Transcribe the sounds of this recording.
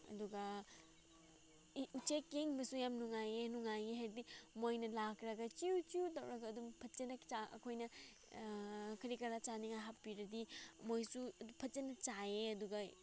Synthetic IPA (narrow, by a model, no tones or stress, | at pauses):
ɐ̰duɡɐ | ut͡ʃekːeŋbɐsujamnuŋajenuŋajɡiɦaɾdimojnɐlakɾɐɡɐt͡ʃiut͡ʃiutɐwɾɐɡɐːdumpʰɐtt͡ʃenɐt͡ʃaɐ̰kʰojnɐ | kʰɐɾikɐɾat͡ʃaniŋajɦapːiɾɐdimojsuupʰɐt̚t͡ʃenɐt͡ʃaeɐduɡɐ